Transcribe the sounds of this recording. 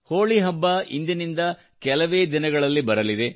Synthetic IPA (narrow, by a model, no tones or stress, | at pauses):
hoːɭiɦɐbːɐḭnd̪inind̪ɐ | kɛlɐʋeːd̪inɐɡɐɭɐlːibɐɾɐlid̪e̞